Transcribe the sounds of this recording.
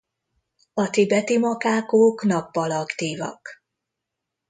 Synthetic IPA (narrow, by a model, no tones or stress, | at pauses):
ɒt̪ibɛt̪imɒkaːkoːknɒpːɒlɒkt̪iːvɒ̰k